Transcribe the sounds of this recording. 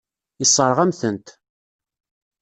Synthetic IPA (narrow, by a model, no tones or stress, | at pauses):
isˤːəɾˤʁæmθənt̪